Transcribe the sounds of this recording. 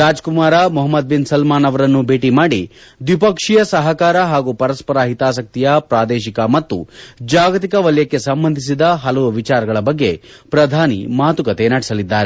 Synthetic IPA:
ɾaːd͡ʒkumaːɾɐmɔɦɐmːɐd̪̚binsɐlmaːnɐʋɐɾɐnːubʱeːʈimaːɽid̪ʋipɐkʂijɐsɐɦɐkaːɾɐɦaːɡupɐɾɐspɐɾaːɦit̪aːsɐk̚t̪ijɐpɾaːd̪eːʃikɐmɐt̪ːṵd͡ʒaːɡɐt̪̬ikɐʋɐljɐkːe̞sɐmbɐnd̪ʱis̬id̪ɐɦɐlɐʋuʋit͡ʃaːɾɐɡɐɭɐbɐɡːe̞pɾɐd̪ʱaːnḭmaːt̪ukɐt̪enaɽisɐlid̪ːaːɾe

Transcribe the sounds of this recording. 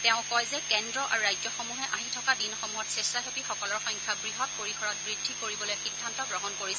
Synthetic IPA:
tɛʊ̃kɔjzɛkɛndɹɔʔa̰ɹuɹajzɔxɔmuɦɛʔaɦitʰɔkadinɔxɔmuɦɔtsestaɦopixɔkɔlɔɹxɔjŋkʰjabɹiɦɔt̚poɹikʰɔɹɔt̚bɹidʱːikoɹibɔlojxidʱːantɔɡɹɔɦɔnkoɹisɛ

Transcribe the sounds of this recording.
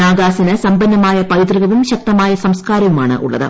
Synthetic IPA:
aːɡaːsinɨsɐmbɐnːɐmaːjɐpɐjt̪riɣɐʋumɕɐk̚t̪ɐmaːjɐsɐmskaːɾɐʋuma̰ːɳɨ̰ʔṵɭːɐ̰ðɨ̰

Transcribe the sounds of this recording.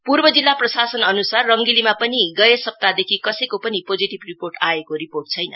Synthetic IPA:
purbʌd͡zilːaprʌsasʌnʌnusarːʌŋɡilimapʌniɡʌjesʌp̚t̪ad̪ekʰikʌsʌjkopʌnipod͡ziʈibriporʈaekoɾiporʈ̚t͡sʰʌjnʌ̰

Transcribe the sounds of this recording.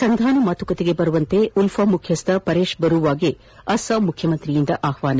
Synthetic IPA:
sɐnd̪ʱaːnɐmaːt̪ukɐt̪eɡebɐɾuʋɐnt̪eulfɐmukʰjɐst̪ʰɐpɐɾeːʂbɐɾuʋaːɡe | ɐsɐmukʰjɐmɐnt̪ɾijind̪ɐʔaːhʋaːnɐ

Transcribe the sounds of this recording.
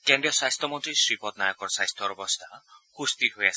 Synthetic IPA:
kendijɔsajst̪ɔmɔnt̪risripɔt̪̚najɔkɔɾsajst̪ʰɔɾɔbɔst̪akʰust̪it̪ɦujas

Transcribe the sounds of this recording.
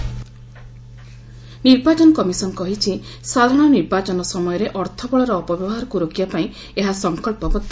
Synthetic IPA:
niɾbat͡ʃɔnɔkɔmisɔnɔkɔɦit͡ʃʰisad̪ʱɔɽ̃ɔniɾbat͡ʃɔnɔsɔmɔjɔɾeʔɔɾt̪ʰɔbɔɭɔɾɔːpɔbjɔbɔɦaɾɔkuɾokiapaĩ | eɦasɔŋkɔlpɔbɔt̪ːa

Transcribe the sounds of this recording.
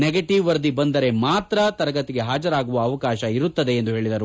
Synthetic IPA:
neɡeʈiʋʋɐɾd̪ibɐnd̪ɐɾe̞maːt̪ɾɐt̪ɐɾɐɡɐt̪ːiɡe̞ɦaːd͡ʒɐɾaːɡuʋɐːʋɐkaːʃɐiɾut̪ːɐd̪e̞ːnd̪uɦe̞ːɭid̪ɐɾu

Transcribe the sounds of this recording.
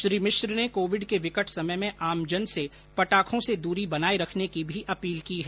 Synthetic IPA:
ʃɾiːmɪʃɾnekoːʋɪɖkeʋɪkəʈʰsɐməjmẽʔaːmd͡ʒənse | pɐʈaːkʰõsed̪uːɾibɐnaːeɾɐkʰnekibʱiʔɐpiːlkiːɦɛː

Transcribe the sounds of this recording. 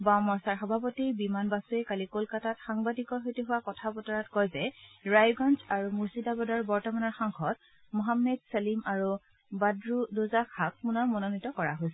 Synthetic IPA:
bamɔɹsaɹxɔbʱapɔtiɹbimanbasuɛkalikolkatatxaŋbadikɔɹɦojtiɦʊwakɔtʰabɔtɔɹatkɔjzɛɹajɡɔnzaɹumuɹsidabɔdaɹbɔɹtɔmanɔɹxaŋxɔt | mɔɦamːɛdsalimaɹu | badɹudozakʰak̚punɔɹmɔnonitɔkɔɹaɦojsɛ

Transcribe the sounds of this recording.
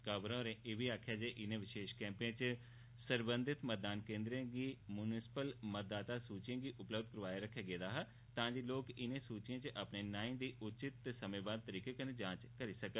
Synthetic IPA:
kəbɾõːɾẽːʔeːʋiːaːkʰjaːd͡ʒeːʔɪnẽːʋɪʃeːʃkɛ̃ːmpẽt͡ʃ | səɾbə̃nd̪ɪt̪məd̪aːnkẽːnd̪ɾẽɡiːmʊnɪsɪ̥pəlmət̪̚d̪aːt̪aːsuːt͡ʃãːɡiːʔʊpləbd̪̚kəɾəʋaːeɾəkʰːeːɡeːd̪aːɦa | t̪ãːd͡ʒiːloːkɪnẽːsuːt͡ʃɪjãːt͡ʃʔapneːnaːĩːd̪iːʔʊt͡ʃɪt̪ːesəmẽːbaːd̪̚t̪əɾiːkeːkəneːd͡ʒãːt͡ʃkəɾiːsəkə

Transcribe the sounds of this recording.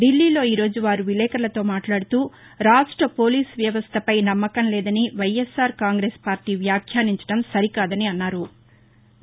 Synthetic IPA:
ɖilːiːlo̞ːiːɾo̞ːd͡ʒuʋaːɾuʋilɛːkɐɾlɐt̪o̞ːmaːʈlaːɽut̪uː | ɾaːʂʈɾɐpo̞ːliːsʋjɐʋɐst̪ʰɐpɐjnɐmːɐkɐnlɛːd̪ɐniʋɐjesːaːɾkaːŋɡɾeːspaːɾʈiːʋjaːkʰjaːniɲt͡ʃɐɽɐmsɐɾikaːd̪ɐniɐnːaːɾu

